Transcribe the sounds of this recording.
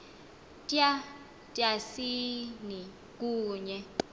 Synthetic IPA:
tʼa | tʼjasini | k̬ʼuːɲɛ

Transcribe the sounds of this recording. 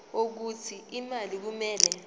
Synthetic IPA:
ok̬utʰiimalik̬umɛːlɛ

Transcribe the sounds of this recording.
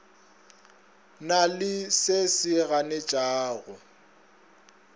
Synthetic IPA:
nalɪsesɪɣanet͡ʃʼaːɣʊ

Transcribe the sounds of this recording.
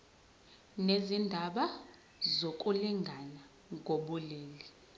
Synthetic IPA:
nezindʱaɓa | zokʼuliŋɡʱana | ɡʱoɓuleːli

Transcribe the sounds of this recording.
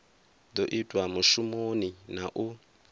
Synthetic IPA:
doʔitʼwamuʃumoninaʔu

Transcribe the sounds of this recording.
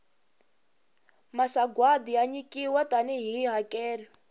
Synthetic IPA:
masaɡwadijaɲikʼiwatʼaniɦiːɦakɛːlɛ

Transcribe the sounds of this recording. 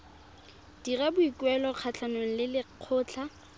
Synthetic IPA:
d̥irabʊikwɛlɔq͡χʰat͡ɬʰanwen̩lɪlɪq͡χʰʊːt͡ɬʰa

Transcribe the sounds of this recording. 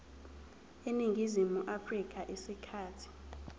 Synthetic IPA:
eniŋɡʱizimuʔafrik̬ʼaʔesikʰaːtʰi̥

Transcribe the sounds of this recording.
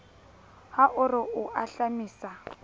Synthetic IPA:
haʔʊrɪʊʔaɬamiːsa

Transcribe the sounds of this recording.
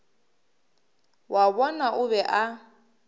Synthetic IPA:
waβɔnaʔʊβɛʔa

